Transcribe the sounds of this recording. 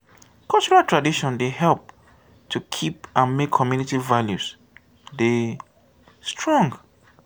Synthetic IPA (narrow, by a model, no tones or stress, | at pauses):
kʰalt͡ʃɔɹaltʰɹadiʃɔ̃ndeɦɛlp̚ | tʰukʰipãnmekʰːɔmjunitivaljus | de | stʰɹɔ̃ŋɡ